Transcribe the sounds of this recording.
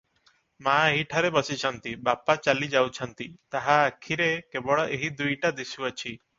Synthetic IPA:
maeɦiʈʰaɾebɔsit͡ʃʰɔnt̪ibapat͡ʃalid͡ʒawt͡ʃʰɔnt̪it̪aɦaːkʰiɾekebɔɽɔʔeɦid̪ujʈad̪isuat͡ʃʰi

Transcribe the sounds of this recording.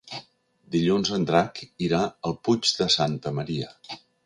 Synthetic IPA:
d̪iʎunzənd̪ɾakiɾaəlˠpud͡ʒd̪əsant̪əməɾiə̰

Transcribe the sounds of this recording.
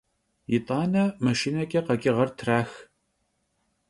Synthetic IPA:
jɪt̪ʼɑːnɐmɐʃiːnɐkʲʼɐqɐkʲʼɪʁɐrtʰraːx

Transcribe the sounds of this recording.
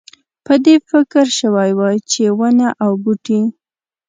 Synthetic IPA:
pəd̪efɪkɾʃəwajwajt͡ʃewənaʔawbuʈi

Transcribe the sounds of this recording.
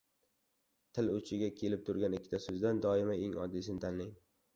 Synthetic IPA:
t̪ʰɪlɵt͡ʃʰɪɡʲakʲʰe̞lɪp̚t̪ʰʊɾɡʲanɪkʲʰːɪ̥t̪ʰasɵzd̪and̪ɒɪmaeŋɒ̰d̪ːisɪnɪt̪ʰanlɪŋ

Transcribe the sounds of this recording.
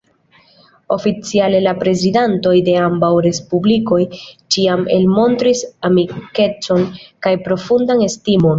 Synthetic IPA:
o̞fit͡siale̞lapɾe̞zidanto̞jde̞ambawɾe̞spubliko̞jt͡ʃiame̞̰lmo̞ntɾisamike̞t͡so̞nkajpɾo̞fundane̞stimo̞n

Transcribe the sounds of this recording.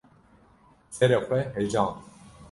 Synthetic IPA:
sɛɾexʷɛɦɛd͡ʒɑːn

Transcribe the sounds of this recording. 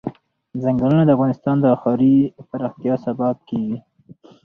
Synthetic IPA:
zaŋɡalunad̪əafɣɑnɪst̪ɑnd̪əɑxɑɾipaɾɑxt̪ijɑsabɑb̚kewi

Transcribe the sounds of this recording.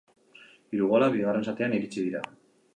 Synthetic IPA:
iɾuɣolaβiɣare̞nsat̪e̞aniɣit͡siðiɾa̰

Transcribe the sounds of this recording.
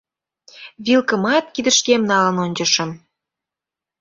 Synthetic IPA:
βilkəmɑt̪̚kid̪ə̆ʃkemnɑlə̆nonʲd͡ʑə̆ʃə̆m

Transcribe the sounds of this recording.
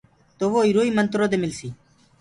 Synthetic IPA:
t̪oʋoːiːɾoːiːmənt̪ɾoːd̪emɪlsiː

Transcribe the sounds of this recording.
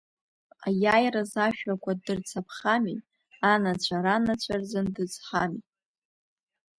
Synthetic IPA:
ajajrazaʃᶣakʷʰadɨrt͡sʰapʰχami | anat͡ɕʷʰaɾanat͡ɕʷʰard͡zɨndɨt͡sʼħamit

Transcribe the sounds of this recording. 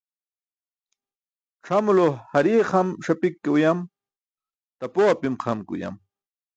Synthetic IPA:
ʈ͡ʂʰamlohaɾiːqʰamʂapikːiujam | t̪apoapimqʰamkʊ̰ja̰m

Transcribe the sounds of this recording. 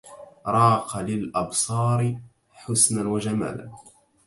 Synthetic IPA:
ɾˤɑːqɑlɪlʔɑbsˤɑːɾɪ | ħʊsnanwad͡ʒama̰ːla̰n

